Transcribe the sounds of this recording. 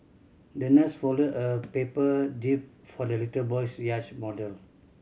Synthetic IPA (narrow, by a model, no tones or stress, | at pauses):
dənɛsfɔlodəpepədip̚ | fɔdəlitəlbɔjsjat͡ʃmɔdəl